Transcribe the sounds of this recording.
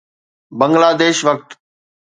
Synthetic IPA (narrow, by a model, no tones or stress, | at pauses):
bɐ̃ŋɡlaːd̪eːʃʋɐk̚t̪